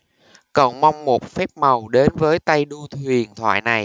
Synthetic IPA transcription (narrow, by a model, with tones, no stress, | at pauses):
kɔ̰˧˨wŋ͡mma˧wŋ͡mmo˨˩t̚fɛ˦˥p̚ma˨˩wɗe˨˦nvəː˨˦jt̪a˧jɗu˧t̪ʰwi˨˩ənt̪ʰwa̰ː˧˨jna˨˩j